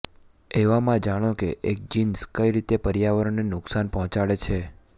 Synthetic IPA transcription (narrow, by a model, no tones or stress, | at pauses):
eʋamãd͡ʒaɽ̃okeʔek̚d͡ʒinskəjɾit̪epəɾjaʋəɾonenʊksanpɔɦɔ̃t͡ʃaɭet͡ʃʰe